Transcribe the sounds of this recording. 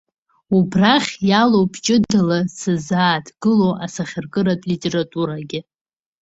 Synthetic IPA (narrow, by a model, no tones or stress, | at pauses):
ubraχʲjalowpʼʰt͡ʃʼɪdɨlasɨzaːtʰʼɡɨlowʔasaχʲɪrkʼɨɾatʼlitʼe̞ɾatʼuɾaɡʲɪ